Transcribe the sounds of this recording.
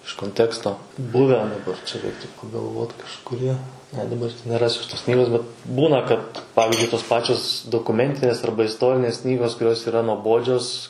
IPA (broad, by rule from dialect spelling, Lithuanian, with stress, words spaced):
ɪʃ koːnʲˈtʲæːkstoː ˈbʊʋʲæː dɐˈbɐr t͡ʃʲɛ ˈrʲɛɪktʊ pɐɡɐlˠˈʋoːt kɐʃkʊˈrʲiɛ nʲɛ dɐˈbɐr tɐɪ nʲɛˈrɑːsʲʊ ɐʃ toːs ˈknʲiːɡoːs bʲɛt ˈbuːnɐ kɐt ˈpɑːʋʲɪzʲd͡ʒʲʊɪ toːs ˈpɑːt͡ʃʲoːs doːkʊˈmʲɛnʲtʲɪnʲeːs ˈɐrbɐ ɪsˈtoːrʲɪnʲeːs ˈknʲiːɡoːs kʊˈrʲoːs iːˈrɐ nuɔˈboːd͡ʒʲoːs